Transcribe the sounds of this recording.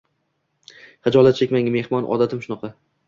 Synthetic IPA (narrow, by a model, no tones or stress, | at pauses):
χɨd͡ʒɒlˠat̪̚t͡ʃʰekʲmaŋʲme̞hmɒnʔɒ̰d̪at̪ʰɪmʃʊnɑqʰɑ